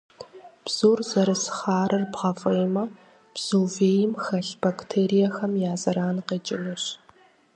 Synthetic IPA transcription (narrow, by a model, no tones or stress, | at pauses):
b̥z̥oːrzɐɾɨsχaːɾɨrbʁɐfʼɨjmɐ | b̥z̥oːveːjɪmxɐɬb̥ɐktʰeːɾijɐxɐmjaːzɐɾaːnqeːt͡ʃʼɪnuɕ